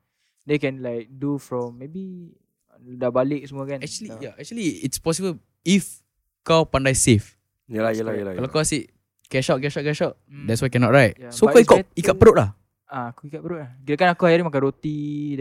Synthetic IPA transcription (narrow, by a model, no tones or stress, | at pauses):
dekɛ̃nlaɪjk̚dufɾɔ̃mːebi | dabalɪk̚səmuakanɛk̚t͡ʃuəlijaɛk̚t͡ʃuəliitspɔs̬ibəl | if | kawpãndajsef | jaajalajkalakawasiʔ | kɛʃaʔ̚k̬ɛʃaʔ̚kɛʃaʔ̚dɛts̬wajkɛnɔʔ̚ɹajt̚soaikikəʔ̚pəɾoʔlah | aakuikat̚pəɾoʔlahɡidakanakuhajaɾimak̬anɾot̪i